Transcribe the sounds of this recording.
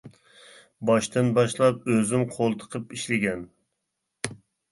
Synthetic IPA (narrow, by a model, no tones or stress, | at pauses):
bɑʃt̪ɨnbɑʃlˠɑp̚øzymqʰolˠt̪ʰə̥qʰəpiʃlɪɡʲɛn